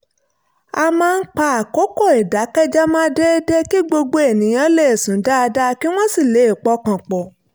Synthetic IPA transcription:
a˧mãː˦˧n̩˦k͡pa˦a˨ko˦kɔ˦˨e˨da˨˦kɛ˦d͡ʒa˦mãː˦de˦de˦ki˦ɡ͡bo˧ɡ͡bo˧e˨nĩ˨˦j̃ã˦le˦e˨sũ˨˦da˦a˧da˦ki˦w̃ɔ̃˦si˦˨le˨˦i˦˨k͡pɔ˨˦kã˨k͡pɔ˨

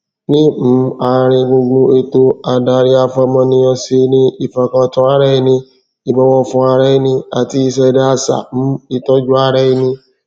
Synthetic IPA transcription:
nĩ˦m̩˨˦a˧ɾ̃ĩ˧ɡũ˧ɡũ˧e˧to˦a˧da˧ɾi˦a˧fɔ˧mɔ̃˧nĩ˧ɔ̃˧si˧nĩ˦i˦˨fã˧˨kã˧tɔ̃˧˦a˦ɾɛ˦i˧nĩ˧ | i˨bɔ˦wɔ˧fũ˦a˧ɾɛ˦i˧˦nĩ˧a˨ti˧˦i˧s̬ɛ˧da˦a˧sa̰˨m̩˨˦i˧tɔ˦d͡ʒu˦a˧ɾɛ˦i˧nĩ˧

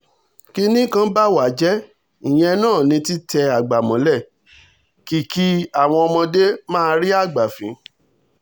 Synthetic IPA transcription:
ki˦nĩ˦kã˦ba˦wa˨˦d͡ʒɛ˦ | ĩ˨j̃ɛ̃˧nãː˦˨nĩ˧ti˦tɛ˧a˨ɡ͡ba˨mɔ̃˨˦lɛ˦˨ | ki˦˨ki˦a˨w̃ɔ̃˧ɔ˧mɔ̃˧de˦mãː˦˧ɾi˦a˦˨ɡ͡ba˨fĩ˨˦

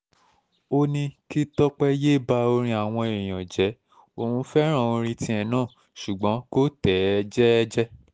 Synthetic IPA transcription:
o˧nĩ˧ki˦tɔ˦k͡pɛ˦je˦˨ba˧o˧ɾ̃ĩ˧a˨w̃ɔ̃˧e˨j̃ã˨d͡ʒɛ˨˦ | o˨ũ˨˦fɛ˦ɾ̃ã˦˨õ˧ɾ̃ĩ˧tĩ˧˦ɛ˦˨nãː˦˨ | ʃu˨ɡ͡bɔ̃˨˦ko˦tɛ˨˦d͡ʒɛ˦d͡ʒɛ˦

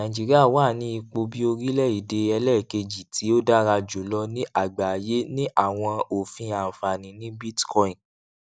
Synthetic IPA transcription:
nã˨d͡ʒi˨˦ɾi˦a˦˨waː˦˨nĩ˦i˧k͡po˧bi˦o˧ɾi˦lɛ˦˨i˨de˧ɛ˧lɛ˦˨ke˧d͡ʒi˨tʰi˨˦o˦da˦ɾa˧d͡ʒo˨˦lɔ˧nĩ˦ʔa˦˨ɡ͡ba˨je˦nĩ˦ʔa˦˨w̃ɔ̃˧o˨fĩ˧a˨fa˨nĩ˨nĩ˦bi˦tkɔ˧˦ĩ˨

